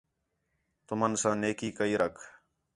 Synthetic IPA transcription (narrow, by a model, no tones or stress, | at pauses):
t̪ʊmənsãːneːkiːkəiːɾəkʰ